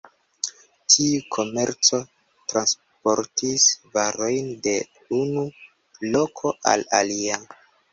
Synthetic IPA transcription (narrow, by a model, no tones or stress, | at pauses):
tʰiukʰo̞me̞ɾt͡so | tɾans | po̞ɾtisvaɾo̞jnde̞ | unu | lo̞kʰo̞ʔa̰la̰lia